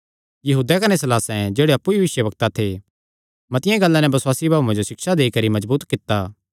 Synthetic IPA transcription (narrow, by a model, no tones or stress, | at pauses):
jɐɦuːd̪ɛkɐnesɐlaːsɛ̃d͡ʒeːɽeɐpːuiʋɪʃjəʋɐk̚t̪at̪ʰe | mɐ̃t̪ɪjãɡɐlːãnɛbɐswaːsibʱaːũẽd͡ʒoʃɪkʃad̪eːikɐɾimɐzbuːt̪kɪt̪ːaː